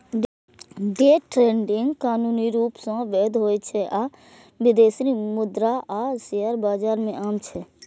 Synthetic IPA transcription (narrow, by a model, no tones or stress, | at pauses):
ɖeːʈɾeːɳɖɪ̃ŋɡkaːnuːniɾuːpsɔ̃ʋeːd̪ɦoːet͡ʃʰɛʔa | ʋɪd̪eːsɾimʊd̪ɾaʔaseəɾbaːd͡ʒaːɾmẽʔaːmt͡ʃʰɛ